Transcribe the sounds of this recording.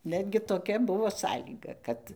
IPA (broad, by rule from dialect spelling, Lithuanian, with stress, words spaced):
ˈnʲæːdʲɡʲɪ toːˈkʲɛ ˈbʊʋoː ˈsɑːlʲiːɡɐ ˈkɐt